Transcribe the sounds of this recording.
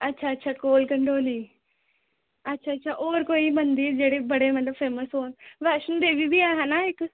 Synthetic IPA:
ɐtːʃʰaɐtːʃʰakoːlkə̃ɳɖoːliː | ɐtːʃʰaɐtːʃʰaʔoːɾkoːimɐ̃nd̪iɾd͡ʒeːɽebɐɽemɐt̪ləbfeːməsoːnʋaːʃənd̪eːbibʱiaːɦãnaɪk

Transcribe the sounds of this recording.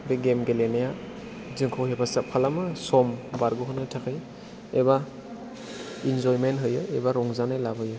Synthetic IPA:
beɡemɡelenaja | zɯŋkʰɔwɦebasapʰalamasɔmbaɾɡɯɦɯnɯtʰakʰɯj | eba | inzɔjmenɦɯjɯebaɾɔŋzanajlabɯjɯ

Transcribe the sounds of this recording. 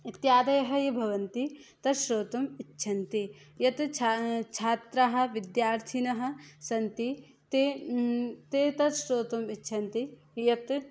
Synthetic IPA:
it̪jaːd̪ɐjɐɦɐjibʱɐʋɐnt̪it̪ɐʃɾoːt̪ɐmitːʃʰɐnt̪i | jɐt̪t͡ʃʰat͡ʃʰaːt̪ɾaɦɐ̆ʋid̪jaːɾt̪ʰinɐɦɐ̆sɐnt̪i | t̪e | t̪et̪ɐʃɾoːt̪ɐmitːʃʰɐnt̪i | jɐt̪

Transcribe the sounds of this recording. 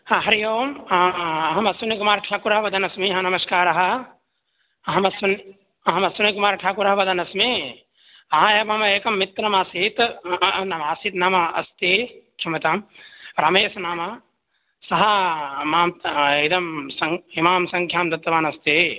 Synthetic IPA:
hãɦɐɾijoːm | ɦɐmɐsunikumaːɾʈʰaːkuɾɐɦʋɐd̪ʱɐnɐsmiɦãnɐmɐskaːɾɐɦɐ | ɦɐmɐsun | ɦɐmɐsunikumaːɾʈʰaːkuɾɐɦʋɐd̪ʱɐnɐsmi | ɐɦãjebɦɐmeːkɐmːit̪ːɾɐmaːsit̪nɐmaːsit̪naːmaɐ̰st̪ikʰimɐt̪ɐmɾameːsnaːma | sɐɦɐmaːmid̪ɐmsɐŋimaːmsɐ̃ŋkʰjaːmd̪ɐt̪ːɐʋaːnɐst̪i

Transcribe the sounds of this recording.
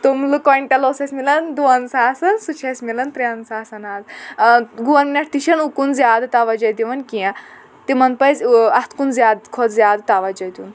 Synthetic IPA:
t̪umlukoɳʈɐloːsɐsʲmilɐnd̪uʋɐnsaːsɐnsut͡ʃʰɐsʲmilɐnt̪ɾʲɐnsaːsɐnaːz | ɡuʋɐnminʲɐʈʰt̪iʃɐnukunzʲjaːd̪t̪aʋɐd͡ʒɐd̪iʋɐnkijã | t̪imɐnpɐjzʲɐst̪ʰkunzjaːd̪kʰod̪zjaːd̪t̪aʋɐd͡ʒɐd̪ʲun

